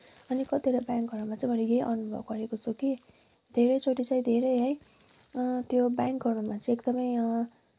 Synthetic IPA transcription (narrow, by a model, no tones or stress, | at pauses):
ʌnikʌt̪eɾʌbaŋkɡʱʌrnumat͡sʌj̃bʱʌneɡeʔʌnubʱʌ̰b̚ɡʌɾekot͡sʰoki | d̪ʱeɾʌjt͡sʰoʈit͡sʌ̃ĩd̪ʱeɾʌjɦʌj̃ | t̪jobjaŋkɡʱʌrnʌmat͡sʌ̃ekd̪ʌmʌj